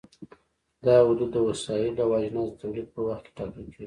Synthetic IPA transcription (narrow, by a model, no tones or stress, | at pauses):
d̪ɑʊd̪ud̪ːəwasɑjilawɑʒnɑzət̪awlid̪̚pəwaxt̪̚ke̥ʈɑkəlkeɡi